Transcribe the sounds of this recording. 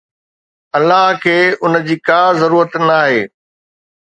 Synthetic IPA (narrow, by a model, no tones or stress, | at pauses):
ɐlːaɦkʰeːʊnə̆d͡ʑiːkaːzɐɾuːɾət̪naːɦeː